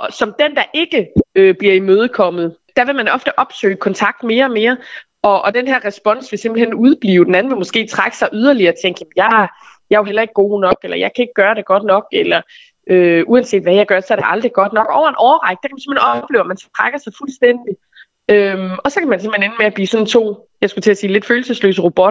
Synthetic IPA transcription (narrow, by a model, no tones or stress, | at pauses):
sɒ̽md̥end̥ɑ̈ʔe̝ɡ̥əøb̥liɐimøːð̞̩ˠkʰɒ̽mð̞̩ˠ | d̥æʋe̝mænɒ̽fd̥əʔɒ̽b̥sø̰ːɪkʰɒ̽nt͡sʰɑ̈ɡ̥̚d̥me̝ːɐɒ̽me̝ːɐ | ɒ̽ʔːd̥enɦæɐ̰ʁɛsb̥ɒ̽n̰sʋe̝se̝mb̥lihenuð̞ˠb̥liːʊd̥enæn̩ʋe̝mo̽sɡ̥e̝̰ːt͡sʰʁaɡ̥ə̥sɑ̈ɪʔyð̞ˠɐliɐːt͡sʰeŋɡ̥jæmn̩jɑ | jɑ̈oɦel̰ɐe̝ɡ̥̚ːɡo̝̰ːnɒ̽ɡ̥elɐjɑ̈ɪkʰæe̝ɡ̥̚ɡ̥ɶːɐɾe̝ɡ̥ɒ̽d̥nɒ̽ɡ̥elɐ | øuænse̝̰ːd̥ʋæjäɪɡ̥ɶɐsɒ̽æɐɾ̥e̥ʔɑ̈ld̥ʁiɡ̥ɒ̽d̥nɒ̽ɡ̥ɒʊɐenʔɒʊɐʁɑ̈ɪɡ̥̚d̥ekæmænse̝mhenɒb̥le̝ːʊɐmænsɒ̥t͡sʰʁaɡ̥ɐsɑ̈ɪfulsd̥en̰d̥i | ømɒ̽sɒ̽kʰæmænsemhenenmeæb̥liːsɒ̽nt͡sʰo̝̰ː | jɑ̈ɪsɡ̥ut͡sʰe̝æsiːle̝d̥føːl̩səslø̰ːsəʁob̥ɔ̽d̥ɐ